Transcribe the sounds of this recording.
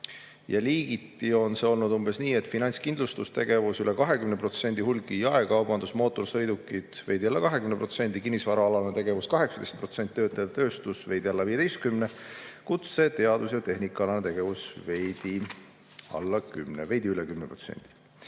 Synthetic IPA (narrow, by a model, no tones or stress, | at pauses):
jɑliːɡ̥it̪ːˑio̞nseo̞lnud̪umb̥e̞sniːe̞t̪ːˑfinɑnʲskind̪̥lust̪ust̪e̞ɡ̥e̞vusyle̞kɑɦe̞kymnepro̞t̪senʲd̪̥ihulɡ̥ijɑekɑwb̥ɑnd̪usmo̞ːt̪ːˑo̞rsɤ̞jd̪ukːˑid̪̥ve̞jd̪iɑlːɑkɑɦe̞kymnepro̞t̪se̞nʲd̪̥ikinʲːisvɑɾɑɑlɑnet̪e̞ɡ̥e̞vuskɑɦe̞ksɑt̪ejst̪pro̞t̪se̞nʲt̪it̪ːøːt̪ːˑɑjɑt̪t̪ø̞ːst̪usve̞jd̪iɑlːɑviːe̞t̪ejst̪kymnekut̪se̞t̪e̞ɑd̪̥usjɑt̪e̞ɦnikːˑɑlɑnet̪e̞ɡ̥e̞vusve̞jd̪̥i | ɑ̰lːɑkymneve̞jd̪iylekymnepro̞t̪sḛnd̪̥i̥